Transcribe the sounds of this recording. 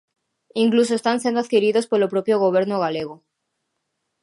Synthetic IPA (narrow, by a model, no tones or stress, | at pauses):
iŋklus̬oest̪ansẽnd̪oaðkiɾiðospelopɾopjoɣ̞oβ̞eɾnoɣaleɣ̞o